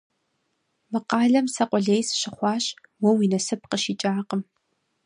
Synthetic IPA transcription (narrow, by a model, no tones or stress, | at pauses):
mɨqɑːɮɐmsɐqʷʼɔɮejsɕɪχʷɑːɕʼ | wɔwiːnɐsɨp̚qəʃiːt͡ʃʼaːqəm